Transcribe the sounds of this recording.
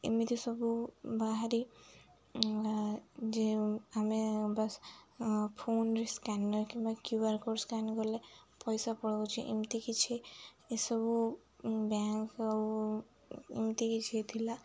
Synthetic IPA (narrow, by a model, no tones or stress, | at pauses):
imit̪isɔbubaɦaɾi | d͡ʒeamebas | pʰonɾiskanːɔjkimbakjuaɾkɔɾskanɡɔlepɔjsapɔɽɡot͡ʃʰiʔḭmt̪ikit͡ʃʰi | esɔbu | baŋkaw | ḭmt̪ikit͡ʃʰit̪ʰila